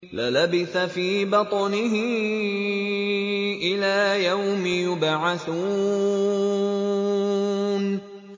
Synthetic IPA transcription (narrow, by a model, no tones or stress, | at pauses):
lɪ̰labɪθafiːbɑt̪ˤɑnɪɦɪ | ʔɪlaːjawmɪjʊbʕaθuː | n